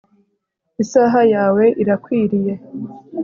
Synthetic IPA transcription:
isaːɦajaːwe̞ʔiɾakwiːɾije̞

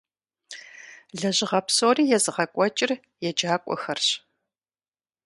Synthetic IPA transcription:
ɮɐʑɪʁɐpsoːriːjɛzɨʁɐkʷʼɔt͡ʃʼɪr | jɛd͡ʒaːkʷʼɔ̰xɐrɕ

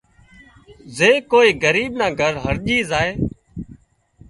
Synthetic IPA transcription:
zeːkoːiːɡəɾiːɓnaːɡʱəɾɦəɾʄiːzaːeː

